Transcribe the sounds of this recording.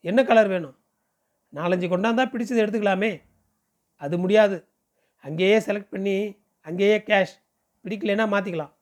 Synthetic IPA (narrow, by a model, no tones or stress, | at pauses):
ɛnːɐkɐlɐɾʋeːɳʊ̃ | naːlɐɲd͡ʒɯkɔɳɖaːnd̪aːpɪɽɪt͡ʃːɐðɯɛɽɯt̪̬ːɯkːɐɭaːmeː | ɐðɯmʊɽɪjaːðɯ | ɐŋɡeːjeːsɛlɐk̚ʈ̚pɐɳːi | ɐŋɡeːjeːkaːʂ | pɪɽɪk̬ːɐleːnːaːmaːt̪̬ːɪkːɐɭãː